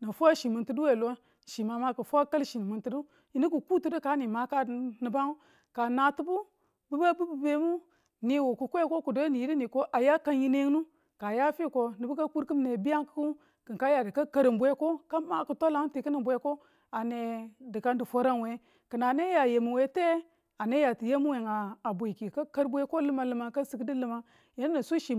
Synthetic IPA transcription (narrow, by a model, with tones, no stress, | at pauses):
na˨fʷa˦ʃi˨mu˨nti˦du˦we˨lo˦˨ | ʃi˨ma˨ma˦kə˨fʷa˦ka˦lʃi˨n˨mu˨ntu˦du˦ | i˨ni˦ku˨ku˦tu˦də˦ka˨˦ni˨ma˨ka˦˨nɨ˨ba˦ŋ˦ | ka˨na˨tu˦bu˦ | bu˦ba˦bu˦bu˨be˦mu˦ | ni˨wu˨ku˨kʷko˦ku˨do˦ni˨ji˦di˦ni˨ko˦ʔa˨ja˦ka˦nji˦ne˦ŋ˦nu˦ | ka˨ja˦fi˦ko˨ni˨bu˦ka˦ku˦ɾki˦m˦ne˨bi˦ja˦ŋkku˦ | ki˨ŋka˦ja˨di˨ka˦ka˨ɾi˨mbʷe˦ko˦ka˦ma˦ku˨to˦la˦ŋ˦ti˨ki˦ni˨bʷe˦ko˦ | a˨ne˨di˨ka˦ndu˨fo˦ɾa˦nwe˨˦ | kə˨na˨ne˦ja˨je˨mu˨we˨˦te˦ | a˨ne˦ja˨ti˨ja˦mu˦we˨ŋaː˨bʷu˨ki˨ka˦ka˦ɾbʷe˦ko˦lɨ˦ma˨lɨ˨ma˨ka˦si˨kdi˦lɨ˨ma˨ | je˨n˦ni˨su˦ʃi˨